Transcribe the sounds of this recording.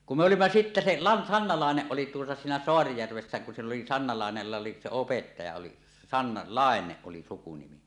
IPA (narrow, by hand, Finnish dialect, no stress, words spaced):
kum me olimːɑ sitːæ se lɑ sɑnːɑ lɑˑeneʔ ʔoli tuotɑ siːnæ soɑrijærʋesːæ kun silː oli sɑnːɑ lɑˑenelːɑ se opetːɑjɑ oli sɑnːɑ lɑˑeneʔ ʔoli sukunimi